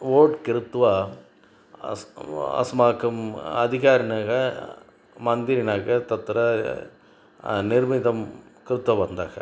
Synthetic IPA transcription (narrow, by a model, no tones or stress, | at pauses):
oːʈkɪɾɯt̪ːʋaː | ɐ̰smaːkɐmɐðɪɣaːɾɐnaːɣɐ | mɐnd̪ɪɾɪnaːɣɐt̪ɐt̪ːɯɾɐ | nɪɾmɪðɐmkɪɾɯt̪ːʋɐʋɐnd̪a̰ːɣɐ̰